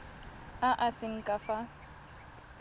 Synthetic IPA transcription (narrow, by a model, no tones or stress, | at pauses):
aʔasɪŋ̩kʼafa